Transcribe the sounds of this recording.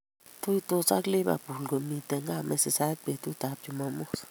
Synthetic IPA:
t̪u˦jt̪o˧sa˦kli˦ba̰˨pu˨lɡo˨mi˧t̪e˧ŋɡa˦me˧se˧sa˦k̚be˨t̪u˦t̪a˨p̚ju˧ma˧mo˦s

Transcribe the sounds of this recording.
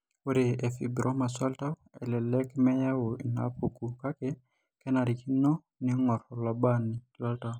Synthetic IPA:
wo˦ɾe˨e˨fi˨bɾʔo˦ma˨sa˦lta˦w | ɛ˨lɛ˨lɛ˦kmɛ˦ja˦wo˨i˨na̰˨˦po˨ku˨ka˦ke˦ | kɛ˦na˨ɾi˨ki˦nɔ˦ | nɪ˦ŋɔ˨ɾɔ˨la˨ba˦nɪ˨la˦lta˦w

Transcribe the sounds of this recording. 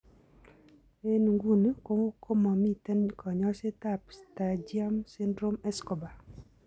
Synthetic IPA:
e˦n˨ŋɡu˦n˦ko˦ŋ˦kʰo˦mɔ˨mi˦tɛ˦nkʰɔ˨ɲɔ˦se˦ta˦˨psta˨d͡ʒi˦a˦msi˦ndɾo˦mɛ˦sko˨ba˨

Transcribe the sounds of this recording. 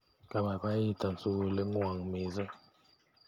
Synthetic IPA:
ka˨ba˨ka˦i˦˨ta˨n̩˨su˦wle˦ŋwa˨ŋme˨zə˦

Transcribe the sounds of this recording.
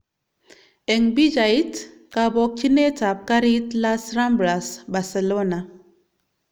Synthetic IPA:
ɛ˨ŋbi˦d͡ʒa˨i˦t | ka˨bɔ˦k̚t͡ʃi˦ne˦ta˨p̚ka˦ɾi˦tla˦sɾa˦mbɾa˨sba˨se˨lo˦na˨

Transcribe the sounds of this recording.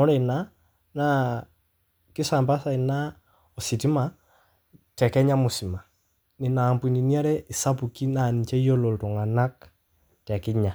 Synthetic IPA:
ɔ˦ɾɛ˦˨na˦ | na˦ | kɪ˦sa˨mba˦sa˦˨i˨na˦ | ɔ˨si˨ti˦ma˨˦ | tɛ˨kɛ˦ɲa˦mu˨si˨ma˨ | ni˨na˨mpu˨ni˨ni˦a˦ɾɛ˦i˨sa˦pu˨ki˦na˨ni˨t͡ʃɛ˦i˦o˦lɔ˨ltɔ˨ŋa˨na˦k | tɛ˨ki˦ɲa˨

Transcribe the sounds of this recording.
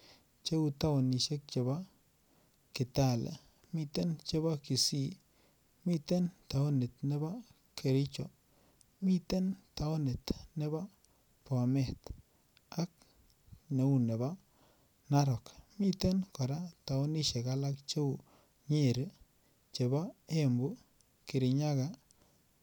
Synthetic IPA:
t͡ʃe˦wu˦t̪a˦wo˨ni˨ʃe˦k̚t͡ʃe˨ba˦ | kɪ˨t̪a˦˨lḛ˨ | mi˧t̪e˦nt͡ʃe˦ba˦ki˨si˦˨ | mi˦t̪e˦nta˨o˦nɪ˨t̪̚nɛ˦ba˦ | kʰe˨ɾi˦t͡ʃɔ˨ | mi˦t̪e˦nta˨o˦ne˨t̪nɛ˦ba˦ | pa˨mɛ˨t̪ | a˦k̚ | ne˨u˦˨ne˨ba˦ | na˦ɾɔ˨kmi˦t̪e˦nkɔ˨ɾa˦ta˨ʊ˦ni˦ʃe˨ka˦la˦kt͡ʃe˦u˨ | ɲe˦ɾ | t͡ʃe˨ba˦e˦mbu˦ | ki˨ɾi˨ɲa˦ka˨

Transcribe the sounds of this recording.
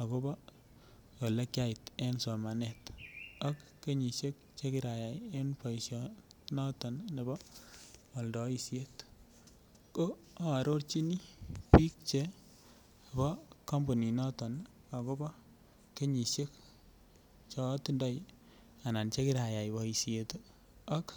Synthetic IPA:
a˨ko˦bɔ˦ | jo˨le˦kja˦i˨te˦nso˨ma˨ne˨ta˦kːe˦ɲi˨ʃe˦k̚ | t͡ʃe˦ki˦ɾa˨ja˨je˦npo˨i˨sjɔ˨nɔ˦tɔ˨nne˨bɔ˦ | ɔ˨ldɔ˨i˨sje˦t | ko˦ | a˦a˨ɾo˦ɾt͡ʃi˦ni˦pi˦k̚t͡ʃe˦ | a˨bɔ˦kɔ˦mbo˨ni˨nɔ˦tɔ˨n | a˨ko˦bɔ˦ | ke˦ɲi˨ʃe˦k | t͡ʃɔ˦ti˦ndɔ˦j | a˨na˨nt͡ʃe˦ki˦ɾa˨ja˨jbɔ˨i˨sie˨t | a˦k

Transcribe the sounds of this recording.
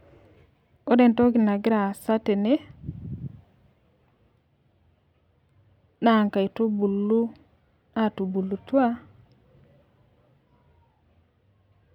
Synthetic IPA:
o˦de˨nto˦ɡi˨na˨ɡɪ˦ɾa˨sa˦te˨ne˦ | na˦˨ŋka˨i˨to˦bu˨lːu˦ | a˦˨tu˨bu˨lu˨twa˦

